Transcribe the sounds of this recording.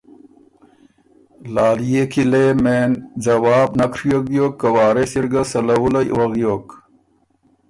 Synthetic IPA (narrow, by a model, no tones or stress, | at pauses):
laːlijekʰilemeːnd͡zɐwaːbnɐkʰɾjokjoːkːɐwaːɾesiɾɡɐsɐlɐwulɐwɐɣjoːk